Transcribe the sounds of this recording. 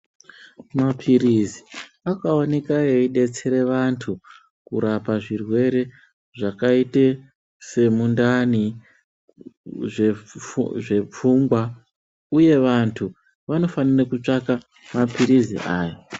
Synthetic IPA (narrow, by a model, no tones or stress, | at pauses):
mapʰirizi | akaone̞kajo̞iɗe̞t͡se̞ɾe̞ʋantʰu | kuɾapaʐirwe̞ɾe̞ | ʐakaite | se̞mundani | ʐeʐe̞p͡fuːŋɡwa | uje̞ʋantʰu | ʋano̞fanirakut͡ʂaka | mapiɾizḭʔaːjo